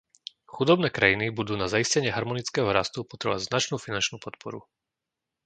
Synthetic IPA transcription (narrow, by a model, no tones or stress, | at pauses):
xud̪ɔbnɛːkɾajinibud̪uːnazaiscɛɲɪɛɦaɾmɔnit͡skɛːɦɔɾast̪upɔt̪ɾɛba̰znat͡ʃnuːfinant͡ʃnuːpɔt̪pʰɔɾṵ